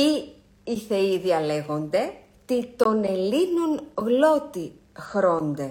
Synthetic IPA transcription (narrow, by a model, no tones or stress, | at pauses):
i | iθe̞iðiɐle̞ɣo̞nd̪e̞ | t̪it̪o̞ne̞linonɣlo̞t̪i | xɾo̞nd̪e